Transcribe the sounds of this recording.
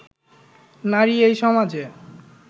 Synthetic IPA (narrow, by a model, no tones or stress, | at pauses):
naɾiejʃɔmad͡ʑe